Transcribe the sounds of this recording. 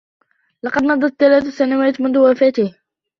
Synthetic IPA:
lɑqɑd̪nɑd̪ˤɑt̪ːalaːt̪asːanawaːt̪mʊnðʊwafaːt̪ɪh

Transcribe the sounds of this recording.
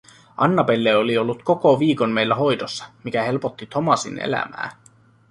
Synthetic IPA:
ɑnːɑpe̞lːeo̞lio̞lːut̪ko̞ko̞ʋiːko̞nme̞jlːæɦo̞jd̪osːɑ̥mikæhe̞lpot̪ːit̪ʰo̞mɑsḭnḛlæ̰mæ̰ː

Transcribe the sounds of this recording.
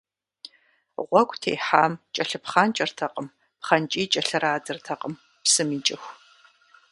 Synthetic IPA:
ʁʷɔkʷtʰḛːħaːmt͡ʃʼɐɬɨpχaːnt͡ʃʼɐrtʰɐqʼəm | pχɐnt͡ʃʼiːt͡ʃʼɐɬɨɾaːdɨrtʰɐqʼəm | psɨmiːt͡ʃʼɪxʷ

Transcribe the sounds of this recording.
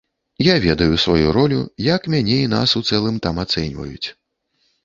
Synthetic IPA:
javʲɛd̪ɐjusvajuɾɔlʲujakmʲanʲɛin̪a̰sut̪sɛlˠɨmt̪amat̪sɛnʲvɐ̰jut͡sʲ

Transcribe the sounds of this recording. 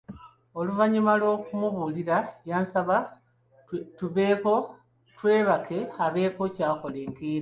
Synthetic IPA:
o̞luvaɲimalwo̞ːkumuβuliɾajaːnsaβa | tuβeko | twe̞ːβakʰe̞aβe̞ːko̞caːko̞leːŋɡiːɾa

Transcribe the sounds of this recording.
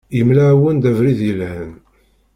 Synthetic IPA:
jəmlawənd̪ævɾiðjəlhən

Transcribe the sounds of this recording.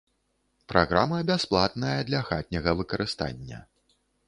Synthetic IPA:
pɾʔaɣɾamɐbʲasplˠat̪nɐjɐd̪lʲɐxat̪̚ʲnʲɐɣɐvɨkɐɾɨst̪a̰nʲːɐ̰

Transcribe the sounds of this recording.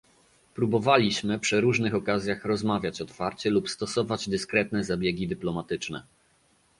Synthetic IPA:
pɾubɔvalʲiɕmɘpʂɘɾuʐnɘxɔkazʲjaxɾɔzmavʲjat͡ɕɔt̪faɾt͡ɕɛlupst̪ɔsɔvad͡ʑd̪ɘskɾɛt̪nɛzabʲjeɡʲid̪ɘplɔmat̪ɘt͡ʂnɛ̰

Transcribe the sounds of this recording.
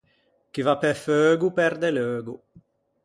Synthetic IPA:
kivapɛføːɡupɛɾd̪eløːɡu

